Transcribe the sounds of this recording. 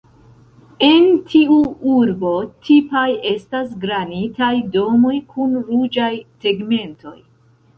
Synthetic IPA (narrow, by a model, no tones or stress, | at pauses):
e̞ntʰiuuɾbo̞tʰipaje̞stas̬ɡɾanitajdo̞mo̞jkʰunɾud͡ʒajse̞ɡme̞nto̞̰j